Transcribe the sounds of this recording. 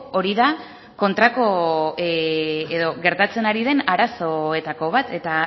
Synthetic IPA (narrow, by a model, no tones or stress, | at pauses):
o̞ɾiða | ko̞nt̪ɾako̞ | eðo̞ɣe̞ɾt̪at͡se̞naɾiðe̞naɾaso̞e̞t̪ako̞β̞at̪e̞t̪a